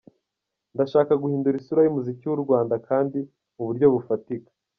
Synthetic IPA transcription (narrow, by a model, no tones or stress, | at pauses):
ndaʃaːkaɡuhiːnduɾisuɾajimuzikiwuɾɡwaːndakʰaːndi | muβuɾɟo̞βufatikḁ